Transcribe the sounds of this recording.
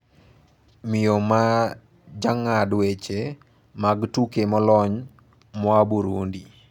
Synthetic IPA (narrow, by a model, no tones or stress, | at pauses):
mɪjoma | d͡ʒaŋadwet͡ʃe | maɡtukemɔlɔɲ | mɔabuɾundi